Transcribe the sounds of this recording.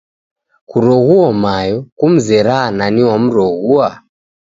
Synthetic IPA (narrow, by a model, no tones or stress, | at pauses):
kuɾɔɣuɔmajɔkum̩zɛɾananiwam̩ɾɔɣua